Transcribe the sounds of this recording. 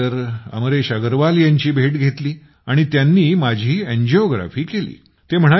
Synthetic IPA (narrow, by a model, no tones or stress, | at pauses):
əɾə̰mɾeɕaɡəɾʋaljaɲt͡ɕiːbʱeʈɡʱet̪liː | aɽ̃it̪janːiːmad͡ʑʱiːend͡ʑeɔɡɾa̰fiːkelḭː | t̪em̤əɽ̃a